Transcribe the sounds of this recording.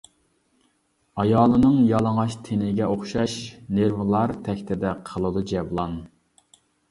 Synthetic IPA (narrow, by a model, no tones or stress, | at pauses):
ɑjɑːlˠɨnɨŋjɑlˠəŋɑʃt̪ʰenɪɡʲɛʔoχʃɑʃneɾvɨlˠɑɾt̪ʰɛkʲt̪ʰɪd̪ɛqʰəlˠɨd̪ud͡ʒɛblˠɑn